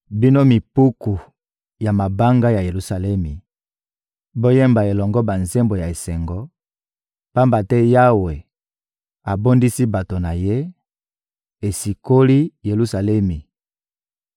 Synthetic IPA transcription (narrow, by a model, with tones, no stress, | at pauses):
bi˦no˦mi˨pu˦ku˨ | ja˨ma˨ba˦ŋɡa˦ja˨je˨lu˨sa˨lɛ˦mi˨ | bo˦jɛ˦mba˨e˨lɔ˨ŋɡɔ˦ba˨nze˦mbo˨ja˨e˨sɛ˨ŋɡɔ˦ | pa˦mba˨tɛ˦ja˦we˨ | a˨bo˦ndi˦si˦ba˨to˨na˨je˦ | e˨si˨ko˦li˦je˨lu˦sa˨lɛ˦mi˨